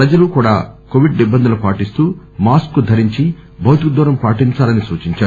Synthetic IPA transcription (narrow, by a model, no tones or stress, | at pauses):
pɾɐd͡ʒɐlukuːɽaːkoʋiɖnibɐnd̪ɐlupaːʈist̪uː | maːskːud̪ʱɐɾiɲt͡ʃi | bʱɐwt̪ikd̪ɔːɾɐmpaːʈiɲt͡ʃaːlɐnisuːt͡ʃiɲt͡ʃaːɾu